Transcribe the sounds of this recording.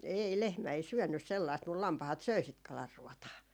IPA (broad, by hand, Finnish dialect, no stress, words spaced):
ei lehmæ ei syønːys selːɑist mul lɑmpɑhɑt søi sit kɑlɑrːuɔtɑː